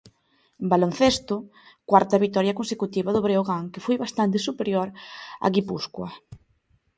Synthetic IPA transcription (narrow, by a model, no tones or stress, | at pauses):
balon̟θest̪ʊkwaɾt̪ɐβik̚t̪ɔɾjɐkonsekut̪iβaðʊβɾeoɣaŋkefojβast̪ant̪̬esupeɾjoɾa̰ɣipuskwɐ